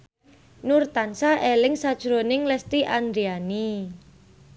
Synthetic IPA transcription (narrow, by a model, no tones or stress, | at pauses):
nurt̪ansaʔelɪŋsad̥ʒ̥ɾonɪŋlɛst̪iʔand̪ɾiani